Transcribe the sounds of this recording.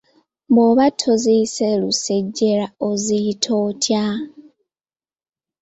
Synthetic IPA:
mboβatʰoziseluse̞ɟːeɾaozitʰotʰja

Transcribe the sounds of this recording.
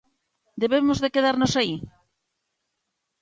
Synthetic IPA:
d̪eβemozðekeðaɾnosai

